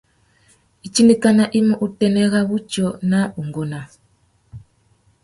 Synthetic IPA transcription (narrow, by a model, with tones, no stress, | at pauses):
i˨t͡ʃi˦ni˦ka˦na˦ʔi˦mu˦ʔu˦tɛ˨nɛ˦ɣa˦βu˦t͡ʃɔ˦˨na˦u˨ŋɡɔ˨na˨